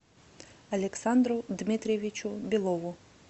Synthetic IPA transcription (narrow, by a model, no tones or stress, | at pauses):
ɐlʲeksɑnd̪ɾʊd̪mɪt̪ɾʲeʋʲit͡ʃʊbʲilˠɔʋʊ